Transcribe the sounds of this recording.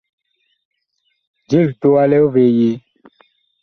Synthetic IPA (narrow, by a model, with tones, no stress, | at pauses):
d͡ʒi˦˨lt̪o˦a˦lɛ˦o˦ve˨ji˨˦